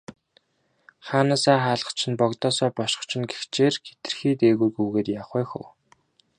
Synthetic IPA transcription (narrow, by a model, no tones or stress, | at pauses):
χaːnaːsaːχaːɮə̆t͡ɕʰɪ̆npɔkt̪ɔːsɔːpɔʃɪ̥̆χt͡ɕʰɪ̆nɡext͡ɕeːrɡe̥t̪ɘ̆rxiːt̪eːɣujɡujɣeːt̪jaχæːxṵ̆w